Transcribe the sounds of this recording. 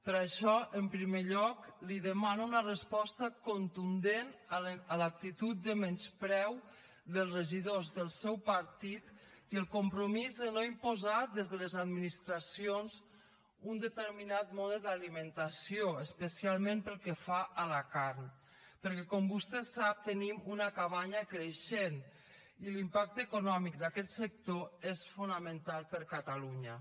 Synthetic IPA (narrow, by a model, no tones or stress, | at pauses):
pəɾaʃɔəmpɾimeʎɔkliðəmanaunərəspɔst̪əkont̪und̪enəəlak̚t̪it̪ut̪̚d̪əmɛnspɾɛw | ðəlˠzrəʒiðozðəlˠsɛwpəɾt̪it̪ | əlˠkompɾomizənoimpozat̪̚d̪ezðələzad̪minist̪ɾasionz | und̪ət̪əɾminat̪moðed̪aliment̪asijoəspəsialˠmẽmpəlˠkefaʔəlakaɾn | pəɾkɛkɔmbust̪ɛsap̚t̪ənimunakaβaɲəkɾeʃen | ilimpak̚t̪ekunɔmik̚d̪akɛt̪sək̚t̪oesfunəmənt̪alˠpəɾkat̪aluɲə